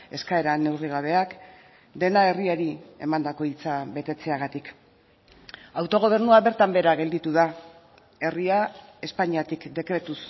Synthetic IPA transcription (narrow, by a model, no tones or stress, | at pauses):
e̞skae̞ɾane̞wriɣ̞aβ̞e̞ak | d̪e̞nae̞riaɾie̞̰mand̪ako̞it͡saβe̞t̪e̞t͡se̞aɣ̞at̪ik | awt̪o̞ɣ̞o̞β̞e̞ɾnuaβe̞ɾt̪ambe̞ɾaɣe̞ld̪it̪uða | e̞riae̞spaɲiat̪ikd̪e̞kɾe̞t̪us